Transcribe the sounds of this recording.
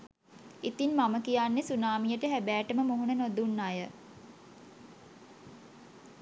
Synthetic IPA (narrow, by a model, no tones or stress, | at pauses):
it̪inmaməkijanːesunaːmijəʈəɦæbæːʈəməmoɦunənod̪unːajə